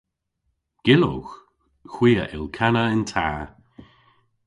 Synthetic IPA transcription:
ɡ̥ɪlo̰x | xw̥iːə̰ʔɪ̰lkʰanəɪntʰa̰ː

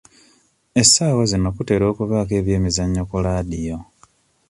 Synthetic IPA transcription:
e̞saːwazinokute̞ːɾo̞ːkuβaːke̞ːβje̞ːmizaɲːokulaːdijo̞

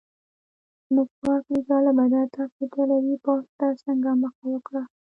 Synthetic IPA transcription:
nəkwɑklikalabad̪at̪afit̪alaɾipɑst̪asəŋɡaməxawəkɽa

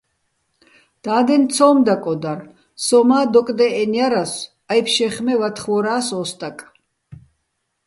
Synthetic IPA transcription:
d̪̥aːd̪ɛnt̪t͡sʰɔːmd̪akʼɔd̪ar | sɔmaːd̪ɔkʼd̪ɛɛnjaɾas | ajpʰʃɛχmɛvat̪ʰχvɔɾaːsɔst̪ʼakʼ

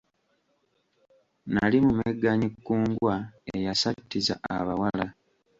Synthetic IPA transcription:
nalimumeɡːaɲikːuːŋɡwaejasatːiza̰a̰βawala

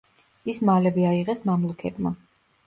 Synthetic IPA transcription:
ismalɛbiaiʁɛsmamlˠukʰɛt̪ʼma

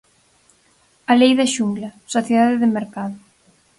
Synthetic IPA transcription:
alejðɐʃuŋɡlɐsoθjeðaðɪðɪmeɾkaðʊ

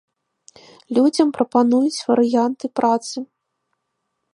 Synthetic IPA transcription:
lʲud͡zʲɐmpɾɐpanujut͡sʲvɐɾɨjant̪ɨpɾʔat̪sɨ

